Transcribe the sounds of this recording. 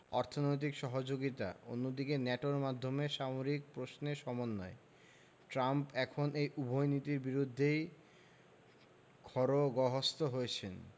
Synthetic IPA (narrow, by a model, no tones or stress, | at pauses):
ɔɾt̪ʰonojt̪̬ikʃɔɦod͡ʑoɡit̪a̰o̰nːod̪ikenɛʈoɾmad̪ʱːomeʃamoɾik̚pɾosneʃɔmonːɔe | ʈɾampɛkʰonʔejubʱojnit̪iɾbiɾud̪ʱːej | kʰɔɾoɡɔɦost̪oɦoet͡ɕʰen